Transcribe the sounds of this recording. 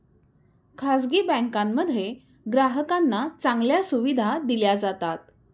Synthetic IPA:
kʰasɡiːbɛ̃ŋkãmːəd̪ʱje | ɡɾaɦəkanːat͡sãŋɡljasuʋid̪ʱad̪iljad͡zat̪at̪̚

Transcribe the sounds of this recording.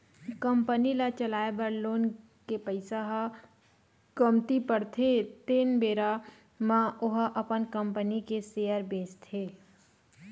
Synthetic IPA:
kəmpənilat͡ʃəlaːebəɾloːn | kepəɪsaɦa | kəmt̪ipəɾt̪ʰet̪eːnbeːɾa | mãʔʊɦʔəpənkəmpənikeseːjəɾbẽːst̪ʰeː

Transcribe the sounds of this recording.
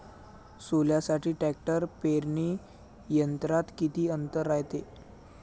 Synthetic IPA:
soljasaʈiːʈæk̚ʈəɾpeɾɳiː | jənt̪ɾat̪kit̪iːənt̪əɾːajt̪e

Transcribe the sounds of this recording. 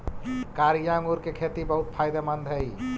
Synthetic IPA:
kaːɾijaːŋuɾkekʰeːt̪ibəɦut̪̚pʰaːɪd̪emənd̪ʱɦəi

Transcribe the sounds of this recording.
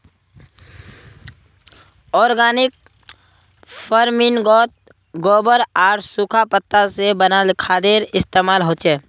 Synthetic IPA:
ɔːɾɡaːnɪk̚ | pʰəɾmɪnɡɔːt̪̚ | ɡɔːbəɾaːɾsukʰapət̪ːasebənalɪkʰaːd̪eːɾɪst̪eːmaːlɦoːt͡ʃeː

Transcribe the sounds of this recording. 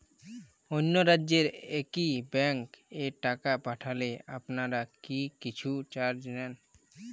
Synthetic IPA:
onːoɾadːd͡ʑeɾekibɛŋkeʈakapaʈʰaleapnaɾakikit͡ɕʰut͡ɕaɾd͡ʑnɛn

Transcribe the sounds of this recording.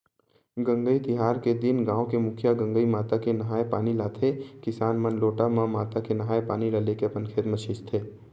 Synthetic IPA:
ɡɐ̃ŋɡəit̪ɪɦaːɾked̪ɪnɡãːõkemʊkʰjaɡɐ̃ŋɡəimaːt̪akenɐɦaːepaːnilaːt̪ʰekɪsaːnmɐnloːʈamãmaːt̪akenɐɦaːjepaːniləlekepənkʰeːt̪mɐʃɪst̪ʰeː

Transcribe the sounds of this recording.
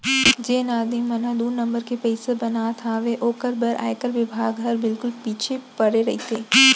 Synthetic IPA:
d͡ʒeːnaːd̪imɐnãd̪uːɾnɐ̃mbəɾkepɛɪsebɐnat̪ʰaʋeʔoːkəɾbəɾʔa̰ːɪkəɾʋɪbʱaːɡɦɐɾbɪlkʊlpiːt͡ʃʰepɐɽeɾɐɦit̪eː

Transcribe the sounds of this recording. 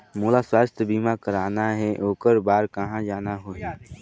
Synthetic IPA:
muːlaswaːst̪ʰjəbiːmakəɾaːnaɦɛʔoːkəɾbaːɾkəɦãd͡ʒaːnaɦoːɦɛ̃ː

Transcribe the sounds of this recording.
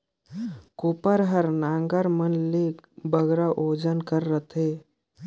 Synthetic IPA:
koːpəɾɦəɾnaːŋɡəɾmənlekbəɡɾaʔoːd͡ʒənkəɾːət̪ʰɦeː

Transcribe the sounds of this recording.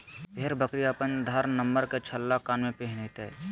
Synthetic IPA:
peːɾbəkɾiaːpənd̪ʱaːɾnəmbəɾket͡ʃʰəlːakaːnmẽpeɦnet̪ɛ

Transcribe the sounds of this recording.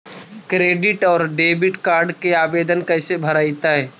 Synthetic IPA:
kɾeːɖɪʈɔːɾɖeːbɪʈkaːɾɖkeaːʋeːd̪ənkəɪsebʱəɾaːɪt̪aɦɛː

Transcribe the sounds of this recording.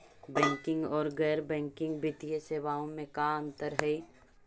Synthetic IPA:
bɛ̃ːŋkɪ̃ŋɡɔːɾɡɛːɾbɛ̃ːŋkɪ̃ŋɡbʱɪt̪ijeseːʋaːõmẽkaə̃nt̪əɾɦɛi

